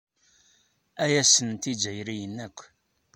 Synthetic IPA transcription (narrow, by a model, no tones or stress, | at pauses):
æjæsənt̪id͡ʒæjɾijənːækʷː